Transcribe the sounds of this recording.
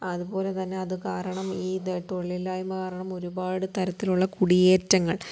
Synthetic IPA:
ɐðubo̞ːle̞t̪ɐnːe̞ɐðɨkaːɾɐɳɐmiːt̪oɭːilaːjumkaːɾɐɳɐmo̞ɾubaːɽɨt̪ɐɾɐt̪ːiluɭːɐkuɽijeːtːɐŋːɐɭ

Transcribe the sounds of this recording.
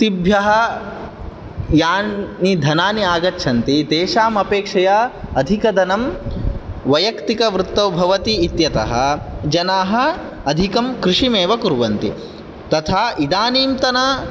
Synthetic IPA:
t̪ibʱjɐɦɐ | jaːnid̪ʱɐnaːniaːɡɐtːʃʰɐnt̪id̪eːʃaːmɐpeːkʂɐjaɐd̪ʱikɐd̪ʱɐnɐm | ʋɐjɐkt̪ikɐʋɾut̪ːɐwbʱɐʋɐt̪iːt̪jɐt̪ɐ̰ɦɐ̰̆d͡ʒɐnaːɦɐ̆ | ɐd̪ʱikɐmkɾɪʂimeːʋɐkuɾʋɐnt̪i | t̪ɐt̪ʰaːʔid̪aːniːmt̪ɐnɐ

